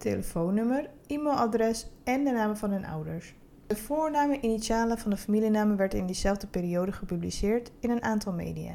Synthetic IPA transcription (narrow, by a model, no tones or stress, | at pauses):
teləfownɵməɹ | imelʔadrɛsɛndənaːmvɑnɦɵnʔʌ̰wdəɹs | dəvʊːɹnaːməʔinitsaːləvɑndəfamilinaːməʋɛɹtɪndəzɛlˠvdəpɪːɾijowdəχəpyblisɪːɹtɪnənʔaːntɑlˠmḛːjdija̰ː